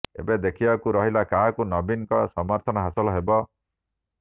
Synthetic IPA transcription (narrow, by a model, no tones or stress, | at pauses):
ḛbed̪ekʰibakuɾɔɦilakaɦakunɔbinkɔsɔmɔɾt̪ʰɔnɔɦasɔlɔɦebɔ